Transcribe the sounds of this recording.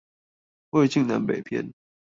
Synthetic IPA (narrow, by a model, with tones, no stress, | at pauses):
we˥˧˩t͡ɕi˥˨ŋna˧˥npe˨˩ɪpʰjɛ̰˥˧˨n